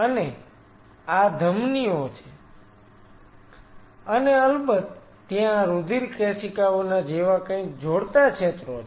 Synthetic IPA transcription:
əne | ad̪ʱəmniot͡ʃʰe | əneəlbət̪̚ː | jãɾud̪ʱiɾkɛsikaonad͡ʒeʋakə̃ik̚d͡ʒoɽt̪at͡ʃʰet̪ɾot͡ʃʰe

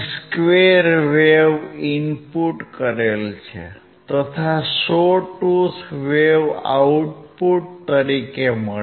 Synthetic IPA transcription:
skʋeɾʋeʋinpuʈkəɾelt͡ɕʰḛ | t̪ət̪ʰasoʈusʋeʋa̰wʈpuʈt̪əɾikemə

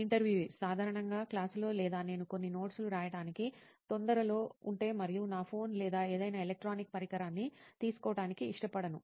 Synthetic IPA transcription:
iɳʈɐɾʋjuːʋisaːd̪ʱaːɾɐɳɐŋɡaːklaːslo̞ːlɛːd̪aːne̞ːnuko̞nːino̞ːʈsluɾaːjɐɽaːniki | t̪o̞nd̪ɐɾɐlo̞ːuɳʈe̞ːmɐɾijunaːpʰo̞ːnlɛːd̪aːeːd̪ɐjnaːelek̚ʈɾaːnik̚pɐɾikɐɾaːnːit̪iːsu̥kɔːɽaːnikiːʂʈɐpɐɽɐnu

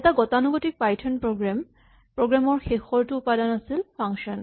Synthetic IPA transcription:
ɛtaɡɔt̪anuɡotik̚pajtʰɔnpɹoɡɹam | pɹoɡɹamɔɹxexɔɹtuupadanasilpaŋʃɔn

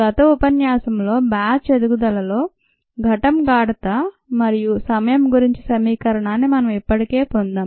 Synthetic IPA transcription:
ɡɐt̪ɐupɐnjaːsɐmlo̞ːbaːt͡ʃed̪uɡud̪ɐlɐlo̞ː | ɡʱɐʈɐmɡaːɽɐt̪ɐ | mɐɾijusɐmɐjɐmɡuɾiɲt͡ʃisɐmiːkɐɾɐɳaːnːimɐnɐmipːɐʈike̞ːpond̪aːm

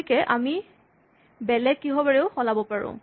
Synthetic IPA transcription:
kɛʔami | bɛlɛɡkːiɦɔbaɹɛʊxɔlabɔpaɹʊ̰̃

